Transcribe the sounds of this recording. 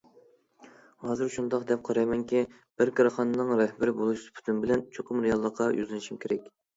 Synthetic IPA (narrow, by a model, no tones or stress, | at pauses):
hɑːzɨɾʃund̪ɑqd̪ɛp̚qʰɑɾɑjmɛŋkʲi | b̥ɪɾkʰɑɾɑχɑnɨnɨŋɾɛhbɪɾɪbolˠuʃspʰy̥t̪ʰynbɪlɛnt͡ʃʰoqʰʊmɾejɑlˠːəqʰːɑjʔy̰zlɪnɪʃimkʲʰeɾɛkʲ